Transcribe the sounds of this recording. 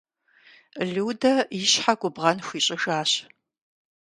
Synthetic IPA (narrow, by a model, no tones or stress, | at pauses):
ɮɨwdɐjɪɕħaɡʷʊbʁɐnxʷiːɕʼɪʒaːɕ